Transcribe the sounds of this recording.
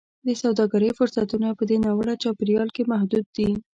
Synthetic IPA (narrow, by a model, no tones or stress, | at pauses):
d̪əsawd̪ɑɡaɾəjfʊɾsat̪unapəd̪enawəɽat͡ʃɑpɪɾjɑlkemahd̪ud̪̚ːi